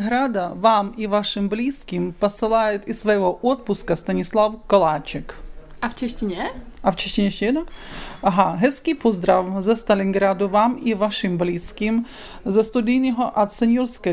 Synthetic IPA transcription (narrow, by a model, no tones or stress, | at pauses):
ɦɾad̪ɐʋamiʋaʂɪmblʲiskʲimpɐsɪlˠajɪt̪isːʋɐjɦɔʔɔt̪̚pʊskɐst̪ɐnʲislˠawkɔlˠat͡ʃɪk | ɐft͡ʃɛʃtʲinʲɛɐwt͡ʃeʃʲtʲinʲɛʃʲɛɛd̪nɐɐɦaɦɛskʲijpɔzd̪ɾawzɐst̪ɐlʲinɡɾad̪ʊʋamiʋaʂɪmblʲiskʲim | zɐst̪ʊd̪ʲijnɔɦɔʔɐt̪sɛnʲjurskɐ